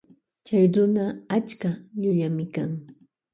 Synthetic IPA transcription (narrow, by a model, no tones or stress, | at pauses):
t͡ʃajɾʊnaat͡ʃkaʎʊʎamɪkaŋ